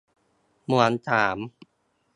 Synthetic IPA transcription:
mu˨˩ə˦nt̪ʰaː˩˦m

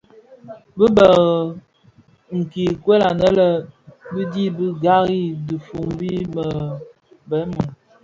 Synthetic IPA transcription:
bə˦bə˨ɣə˨ | ŋ̩˨ki˨kwe˦la˨nə˦lə˦bə˦di˦bə˦ɡa˦ɣi˦di˨fu˨ŋbi˦mə˨ | bɛ˨˦mu˨ŋ

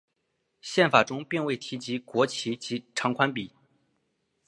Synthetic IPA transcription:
ɕjɛ˥˩nfa˨˩ʈ͡ʂʊ˥ŋpi˥˧ŋwe˥˩ɪt̪ʰi˧˥t͡ɕi˧˥kwɔ˧˥t͡ɕʰi˧˥t͡ɕi˧˥ʈ͡ʂʰɑ˧˥ŋkʰwa˥npi˨˩˦

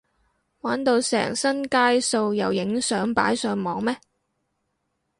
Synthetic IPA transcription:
waː˨˥nt̪o˧wsɛ̰ː˨˩ŋsɐ˥nkaː˥jso˧wjɐ˨˩wjɪ˨˥ŋsœː˨˥ŋpa̰ː˨˥jsœː˨˧ŋmɔː˨ŋmɛː˥

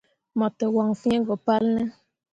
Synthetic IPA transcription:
mɔ˨tɛ˨wa˨ŋ˨fɛ̃˦ɡɔ˨pa˦lnɛ˦

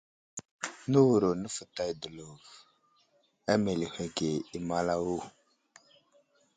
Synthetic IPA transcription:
nə˦wu˨ɾo˨nə˦fə˨ta˨jdə˨lu˨v | a˦me˨li˨he˨ɡe˨i˦ma˦la˦wu˦˨

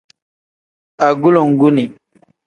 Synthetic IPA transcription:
a˨ɡu˦lo˨ŋ˨ɡu˦ni˨

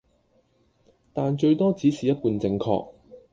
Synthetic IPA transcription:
t̪aː˨nt͡ʃɵ˧ɥt̪ɔː˥t͡siː˨˥siː˨˩jɐ˥t̚puː˧nt͡sɪ˧ŋkʰɔ̰ː˧k̚

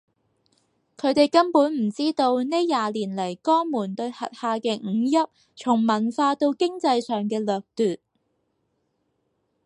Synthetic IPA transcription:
kʰɵ˨˧ɥt̪e˨jkɐ˥npuː˨˥nm̩˨˩t͡siː˥t̪o˧wne˥jaː˨liː˨˩nlɐ˨˩jkɔː˥ŋmuː˨˩nt̪ɵ˧ɥhɐ̰˨t̚haː˧kɛː˧ŋ̩ː˨˧jɐ˥p̚ | t͡ʃʰʊ˨˩ŋmɐ˨˩nfaː˧t̪o˧wkɪ˥ŋt͡sɐ˧jsœː˨˩ŋkɛː˧lœː˨˩k̚t̪yː˨t̚

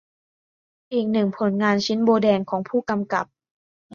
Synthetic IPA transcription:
ʔiː˨˩k̚nɯ˨˩ŋpʰo˩˦nŋaː˧nt͡ɕʰi˦˥nboː˧dɛː˧ŋkʰɔː˩˦ŋpʰuː˥˩ka˧mka˨˩p̚

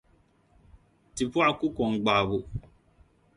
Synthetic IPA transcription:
ti˨pwa˦˨ku˦kɔ˨ŋɡ͡ba˨bu˦

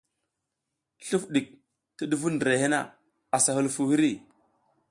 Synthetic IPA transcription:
ɬu˦fɗi˨k̚ | ti˦ɗu˦vu˦ndɾe˨he˦na̰˦˨ | a˨sa˨hu˦lfu˨hi˦ɾi˦˨

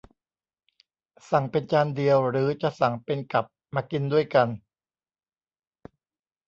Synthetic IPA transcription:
sa˨˩˦ŋpe˧nt͡ɕaː˧ndi˧əwɾɯː˩˦t͡ɕa˨˩sa˨˩˦ŋpe˧nka˨˩p̚maː˧ki˧ndu˥˩əjka˧n

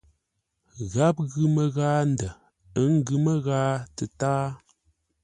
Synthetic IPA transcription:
ɣa˦p̚ɣʉ˦mə˦ɣaː˦n̩˨də˨ | ə˦ŋ̩˦ɡʉ˨mə˦ɣaː˦tə˨taː˦

